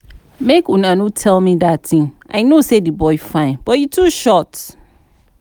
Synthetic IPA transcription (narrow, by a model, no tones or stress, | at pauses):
mekunãnũtʰɛlmĩdattʰɪ̃ŋʔa̰ɪnosedibɔɪfãɪ̃nb̥ɔjutʰuʃɔt